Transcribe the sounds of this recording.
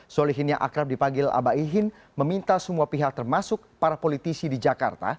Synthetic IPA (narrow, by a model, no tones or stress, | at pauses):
soliɦɪnjaʔa̰kɾap̚dipaŋɡɪla̰baiɦɪn | məmint̪asəmuapiɦak̚t̪ərmasʊk̚paɾapolit̪isidid͡ʒaka̰rt̪a̰